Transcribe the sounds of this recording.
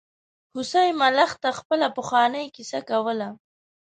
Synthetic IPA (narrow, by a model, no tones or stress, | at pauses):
hʊsajmalaxt̪axpəlapəxɑnəjkisakawəla